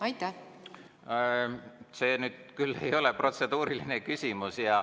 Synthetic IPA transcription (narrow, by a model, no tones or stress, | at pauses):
ɑjt̪ːˑæ | se̞ːnyːd̪̥̚kylːe̞̰jo̞le̞pro̞t̪se̞d̪̥uːɾilinekysʲimusjɑ